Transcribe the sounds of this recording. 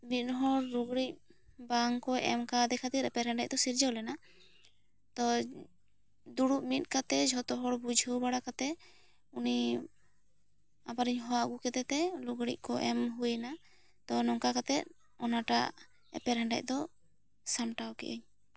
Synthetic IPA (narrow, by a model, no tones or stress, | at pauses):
mit̪̚ˀɦɔɽːuɡɽic̚ | baŋkɔʔɛmkad̪ɛkʰat̪iɾɛpɛɾɛɳɖac̚d̪ɔsiɾd͡ʒɔwlɛna | t̪ɔ | d̪uɽuʔmit̪̚ˀkat̪ɛd͡ʒʱɔt̪ɔɦɔɽbud͡ʒʱubaɽakat̪ɛ | uni | abaɾiɲɦɔwaɡukɛt̪ɛt̪ɛluɡɽic̚ˀkɔʔɛmɦujna | t̪ɔnɔŋkakat̪ɛt̪̚ | ɔnaʈa | ɛ̰pɛɾɛɳɖa̰c̚d̪ɔ | samʈawkɛ̰ʔḭɲ